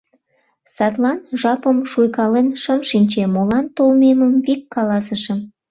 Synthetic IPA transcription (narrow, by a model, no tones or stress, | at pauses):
sɑt̪lɑnʒɑpəmʃujkɑlenʃəmʃinʲt͡ɕemolɑnt̪olmeməmvikːɑlɑsəʃə̆m